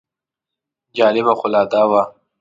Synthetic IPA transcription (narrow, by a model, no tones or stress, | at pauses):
d͡ʒɑːlɪbaxʊlɑːd̪aːwa